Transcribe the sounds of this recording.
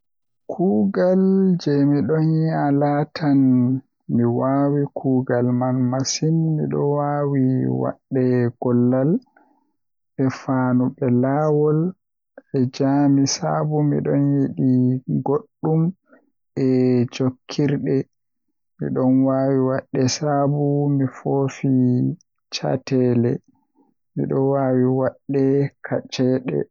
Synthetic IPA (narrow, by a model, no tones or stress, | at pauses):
kʰuːɡald͡ʒɛmiɗɔnialatʰan | miwawikʰuːɡalmanmasinmḭɗɔ̰wawiwa̰ɗːɛɡ̥ɔlːal | ɓɛfaːnubɛlaːwɔl | ɛd͡ʒamisabumḭɗɔnjeɗiɡoɗːum | ʔɛd͡ʒokʰːiɾɗɛ | mḭɗɔnwaːwiwaɗːɛsabumifofi | t͡ʃa̰tɛːlɛ | mḭɗɔwaːwiwaɗːɛkʰat͡ʃɛɗɛ̰